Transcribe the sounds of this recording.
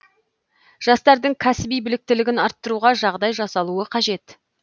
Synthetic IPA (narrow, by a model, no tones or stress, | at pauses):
ʒ̥ɑst̪ɑɾd̪əɴkʲʰæsɪbijbɪlɪk̚t̪ɪlɪɡʲɪnɑɾt̪ːəɾuʁɑʒɑʁd̪ɑjʒɑsɑlˠuəqʰɑʒe̞t̪